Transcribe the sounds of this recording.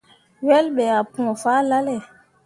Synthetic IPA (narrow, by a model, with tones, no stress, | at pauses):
wɛ˦lɓɛ˨a˨pɔ̃˨fa˦la˦lɛ˨